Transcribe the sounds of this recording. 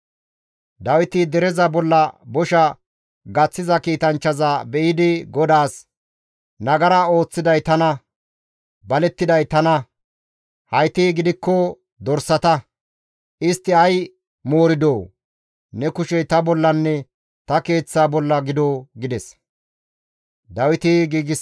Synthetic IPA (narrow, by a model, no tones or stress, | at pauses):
d̪ɐwɪt̪ɪd̪ɛɾɛzɐbɔlːɐbɔʃɐ | ɡɐt͡sːɪzɐkiːt̪ɐnt͡ʃːɐzɐbɛʔɪd̪ɪɡɔd̪aːs | nɐɡɐɾɐo̞ːt͡sːɪd̪ɐjt̪ɐnɐ | bɐlɛt̪ːɪd̪ɐjt̪ɐnɐ | hɐjt̪iːɡɪd̪ɪkːɔ | d̪ɔɾsːɐt̪ɐ | ʔɪst̪ːɪɐj | mo̞ːɾɪd̪o̞ː | nɛkʊʃɛt̪ɐbɔlːɐnːɛ | t̪ɐke̞ːt͡sːaːbɔlːɐɡɪd̪oːɡɪd̪ɛs | d̪ɐwɪt̪iɡiːɡɪ